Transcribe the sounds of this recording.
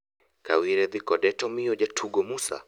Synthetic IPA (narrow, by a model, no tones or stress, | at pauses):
ka̰wiɾɛðikɔɗɛtɔmiɔʄatʰuɡɔmusa̰